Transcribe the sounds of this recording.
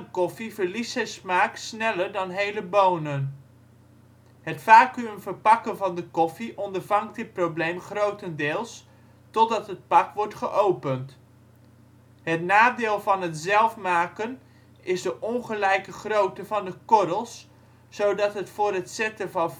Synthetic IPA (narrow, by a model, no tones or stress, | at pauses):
kɔfivəɹlisɛsmaːksnɛləɹdɑnɦejləbownən | ɦətfaːkyəmvəɹpɑkənvɑndəkɔfiʔɔndəɹvɑŋktd̚ɦɪt̚prowblejmχrowtəndɪːlˠs | tɔdɑtɦət̚pɑkʋɔɹtχəʔowpənt | ɦətnaːdɪːlˠvɑnɦətzɛlˠfmaːkən | ɪzdəʔɔŋχəlɛjkəχrowtəvɑndəkɔɾəlˠsː | owdɑtɦətfʊːrɦətsɛtəvɑ